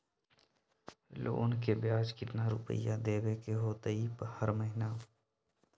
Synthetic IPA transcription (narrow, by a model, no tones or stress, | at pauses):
lo̰ːnkebjaːd͡ʒkɪt̪naɾʊ̰pə̰jad̪eːwekeɦoːt̪əiːpəhəɾməɦɪnaː